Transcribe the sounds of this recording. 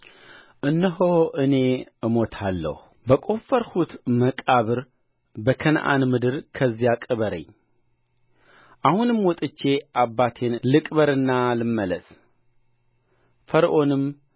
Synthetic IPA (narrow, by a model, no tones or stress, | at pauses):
ʔɨnːɨɦoʔɨne̞ɨmo̞t̪ʰalːə̰hu | bəkʼo̞fəɾhut̪məkʼaβɨɾ | bəkʰənʔa̰nmɨd̪ɨɾkʰəzːijakʼɨβəɾə̰ɲː | ʔahunɨmwɔt̪ʼɨt͡ʃːe̞ʔabːat̪ʰe̞nlɨkʼβəɾɨnːalɨmːələs | fəɾʔo̞nɨm